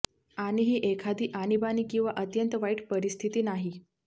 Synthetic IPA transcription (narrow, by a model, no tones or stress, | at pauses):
aɽ̃iɦiːʔekʰad̪iːʔañibaniːkĩw̃ʋaʔət̪jənt̪əʋaiʈpəɾist̪ʰit̪iːnaɦi